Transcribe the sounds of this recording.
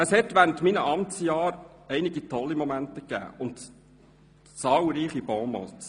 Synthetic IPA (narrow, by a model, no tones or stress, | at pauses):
əshɛtʋæːɾəntminəʔɑmt͡sjɑːɾɛɪniɡitʰɔlːimɔmæntəkæ̰ːʊnt | t͡sɑːlɾiːχib̥ɔmɔ̰t